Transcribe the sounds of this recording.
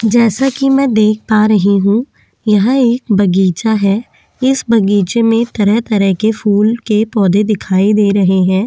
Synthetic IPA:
d͡ʒɛːsakimɛ̃ːd̪eːkʰtaɾɐɦeɦũ | jɐɦãeːk̚bɐɡiːt͡ʃaɦɛː | ɪsbɐɡiːt͡ʃemẽt̪ɐɾəɦt̪ɐɾəɦkefʰuːlkepɔːd̪ed̪ɪkʰaːid̪eːɾɐɦeɦɛ̃ː

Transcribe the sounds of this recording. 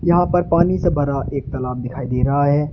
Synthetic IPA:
jɐɦãpɐɾpaːnisebʱɐɾaʔeːk̚t̪ɐlaːb̚d̪ɪkʰaːid̪eːɾɐɦaɦɛː

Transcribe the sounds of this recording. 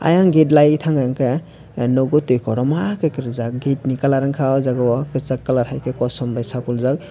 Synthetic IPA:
a̰jaŋɡet̬lajtʰaŋɡajŋkʰe | nɔɡɔtujkʰɔɾɔmakɯkɯɾzak̚ɡet̚nikalaɾɯŋkʰawzaɡɔwɔkɯt͡ʃakːalaɾhajkʰekɔsɔmbajsapulzak̚

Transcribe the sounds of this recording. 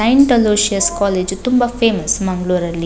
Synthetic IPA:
ɐjɳʈɐloːʃiɐskɔːleːd͡ʒt̪umbɐpʰeːmɐsmɐŋɡluːɾɐlːi

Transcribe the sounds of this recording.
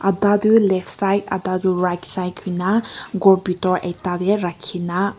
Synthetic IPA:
adadɯlɛpʰsajta̰d̪aduɾajtsajkʰɯjnaɡɔɾbitɔɾejtad̪eɾakʰːina

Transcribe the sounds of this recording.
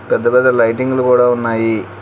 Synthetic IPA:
pɐd̪ːɐbɐd̪ɐlɐjʈːiŋɡulkuːɽaːunːaːji

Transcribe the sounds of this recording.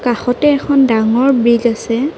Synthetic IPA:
kaxɔtɛːkʰɔndaŋɔɹbɹiɡasɛ

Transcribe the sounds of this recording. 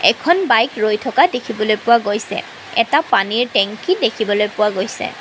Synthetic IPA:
ɛkʰɔnbajkɹojtʰɔkadekʰibɔlojpʊwaɡojsɛ̰ | ɛ̰tapaniɹtɛŋkʰidekʰibɔlojpʊwaɡojsɛ̰

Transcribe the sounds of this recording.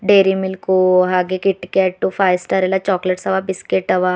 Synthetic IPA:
ɖeːɾimɪlkuɦaːɡekɪʈːkeːʈːufaːjsʈɐɾelat͡ʃɔːkləʈsɐʋabɪskeʈɐʋa

